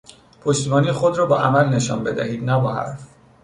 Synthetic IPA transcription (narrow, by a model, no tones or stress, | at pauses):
pʰoʃt̪ibɒːnixod̪ɾɒːbɒːʔæmælne̞ʃɒ̰ːnbe̞d̪æhiːd̪næbɒːɦæ̰ɾf